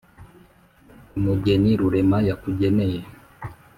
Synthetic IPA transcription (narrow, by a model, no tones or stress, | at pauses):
umuɡɛniɾuɾɛmajakuɟɛnɛjɛ